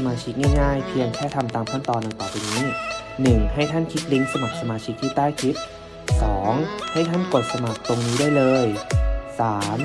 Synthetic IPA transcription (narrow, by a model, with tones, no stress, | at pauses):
maː˧t͡ɕʰi˦˥k̚naː˥˩jŋaː˥˩jpʰi˧ənkʰɛː˥˩t̪ʰa˧mt̪aː˧mkʰa˥˩nt̪ɔː˧nːa˧jp̪ɔː˨˩piː˧niː˦˥nɯ˨˩ŋha˥˩jt̪ʰa˥˩nkʰi˦˥t̪̚li˦˥ŋsa˧ma˨˩k̚sa˧maː˧t͡ɕʰi˦˥k̚t̪ʰiː˥˩t̪aː˥˩jkʰi˦˥t̪̚ | sɔː˩˦ŋha˥˩jt̪ʰa˥˩nko˨˩t̪̚sa˧ma˨˩k̚t̪o˧ŋniː˦˥daː˥˩˨jlɤː˧jsaː˩˦m